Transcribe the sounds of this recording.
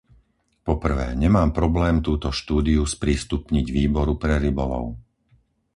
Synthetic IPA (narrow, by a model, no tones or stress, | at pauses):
pɔpr̩ʋɛ̰ːɲɛmaːmpɾɔblɛːmt̪uːt̪ɔʃt̪uːd̪iuspɾiːst̪upɲiɟʋiːbɔɾupɾɛɾibɔlɔ̰ʊ